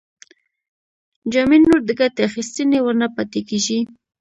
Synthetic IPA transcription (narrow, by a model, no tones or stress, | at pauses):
d͡ʒɑminːuɾd̪əɡat̪eaxist̪ənewəɾnapat̪ekeʒi